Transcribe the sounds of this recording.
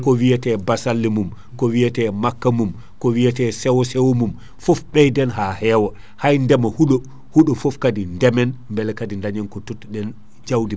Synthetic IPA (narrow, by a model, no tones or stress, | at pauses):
kɔwijatɛbasalːimum | kɔwijɛtɛmakːamum | kɔwijatɛsɛwɔsɛwomum | fɔfɓɛjdɛnɦahɛːwɔ | hajndɛmahuɗɔ | huɗɔfɔfkadindɛmɛnmbɛlɛkadindaɲɛnkɔtotːuɗɛn | d͡ʒawdim